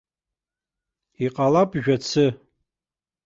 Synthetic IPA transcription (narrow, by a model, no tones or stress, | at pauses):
iqʼalapʼʒᶣat͡sʰɨ